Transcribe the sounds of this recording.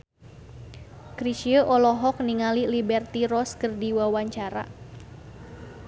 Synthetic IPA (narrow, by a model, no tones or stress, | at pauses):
kɾiʃiəʔɔlɔɦɔk̚niŋalilibɛrt̪iɾɔskərdiwawaɲt͡ʃaɾa̰